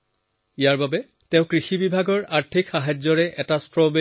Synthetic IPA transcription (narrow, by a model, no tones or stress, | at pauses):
ijaɹbabɛ | tɛ̃ʊ̃kɹixibibʱaɡɔɹaɹtʰikxaɦad͡ʑɔɹɛʔɛtastɹɔbe